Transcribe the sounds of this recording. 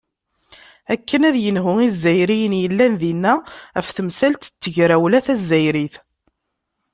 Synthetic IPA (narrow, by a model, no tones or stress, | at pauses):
ækːənæðjənɦʊizːæjɾijənjəlːænðinːææfθəmsælt̪t͡sːəʝɾæwlæθæzːæjɾiθ